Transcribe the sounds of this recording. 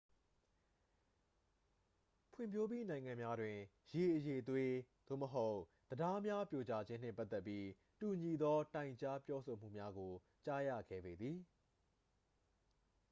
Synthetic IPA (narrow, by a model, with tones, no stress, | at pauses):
pʰwɪ̰̃˦˨mpʰjo˦p̬i˦nã˨ɪ̃ŋã˨mja˦dwɪ̃˨ | je˨ʔəje˨ət̪we˦˨d̪̥o̰˦˨məɦo˦ʊ | d̪̥əda˦mja˦pjo˨t͡ɕa˦d͡ʑɪ̃˦n̥ɪ̰̃˦˨pa˦t̪ːɛ˦pːji˦ | tu˨ɲi˨d̪ɔ˦tã˨ɪ̃ɲt͡ɕa˦pjɔ˦so˨m̥ṵ˦˨mja˦ɡo˨ | t͡ɕa˦jä̰˦˨ɡɛ̰˦˨be˨d̪ði˨